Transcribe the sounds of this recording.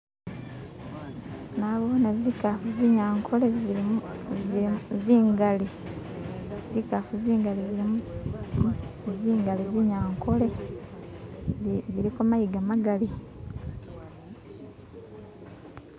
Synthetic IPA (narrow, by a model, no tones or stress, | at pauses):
naβoːnezikafuziɲaːŋkʰole | ziːŋɡali | zikafuziːŋɡaliziɾimu | ziːŋɡaliziɲaːŋko̞le̞ | ziɾikomajiɡamaɡali